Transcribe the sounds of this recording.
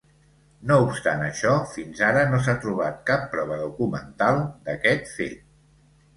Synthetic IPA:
noupst̪anəʃɔfinzaɾənos̬at̪ɾuβ̞at̪̚kapːɾɔβ̞əðukumənt̪alˠd̪əkɛt̪fḛ

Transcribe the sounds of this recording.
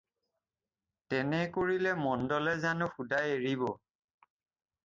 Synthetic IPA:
tɛnɛkoɹilɛmɔndɔlɛzanʊxudajeɹibɔ

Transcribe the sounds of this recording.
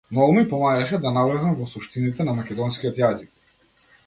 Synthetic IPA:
nɔɔmipɔmaɡaʃɛd̪anavlɛzamvɔsuʃt̪init̪ɛnamakʲɛd̪ɔnskʲiɔt̪jazik̚

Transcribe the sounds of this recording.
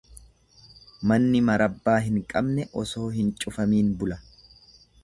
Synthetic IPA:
mɐnːɪmɐɾɐbːaːɦɪŋkʼɐbnɛʔɔso̞ːɦɪnt͡ʃʼʊfɐmiːnbʊlɐ

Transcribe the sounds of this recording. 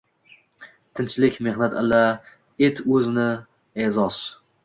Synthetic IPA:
t̪ʰɪnt͡ʃlɪkʲme̞hnat̪ɪla | et̪ʰɵzɪnɪ | ezɒs

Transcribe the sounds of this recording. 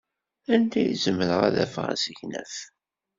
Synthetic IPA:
ænd̪æjizəməɾəʁæðæfʁæ̰səçnæ̰θ

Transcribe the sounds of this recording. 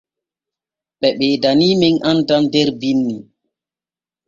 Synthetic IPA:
ɓɛɓɛːdaniːmiŋʔandandɛɾbinːi

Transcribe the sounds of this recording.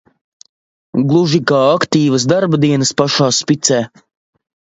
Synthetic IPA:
ɡlˠuʒikaːakt̪iːvɐsd̪aɾbad̪iɛnəspaʃaːspit̪sɛː

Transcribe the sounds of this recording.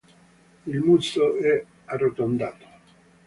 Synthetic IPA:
ilmusoɛ | arːot̪ond̪aːt̪o̥

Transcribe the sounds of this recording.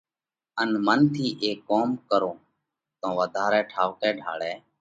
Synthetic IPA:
ənmənt̪ʰiːʔeːkːoːmkəɾõː | t̪õːʋəd̪ʱaːɾɛːʈʰaːʋkɛːɖʱa̰ːɭɛː

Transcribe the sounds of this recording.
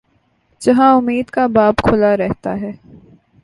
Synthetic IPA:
d͡ʒɐɦãʊmːiːd̪kabaːbkʰʊlaɾɛɦt̪a̰ɦɛː

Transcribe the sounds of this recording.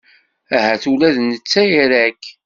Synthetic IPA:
æɦæθulæðnət͡sːæjiɾæk

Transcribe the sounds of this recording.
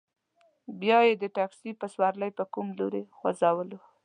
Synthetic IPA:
bjɑjed̪əʈaksipaswaɾlajpəkumloɾexwa̰zɑwəlo

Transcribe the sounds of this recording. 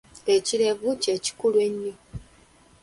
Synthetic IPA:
eciɾevut͡ʃeci̥kulweɲːi

